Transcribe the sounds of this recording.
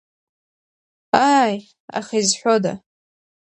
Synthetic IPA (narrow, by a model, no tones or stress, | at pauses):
aj | a̰χaizħʷoda̰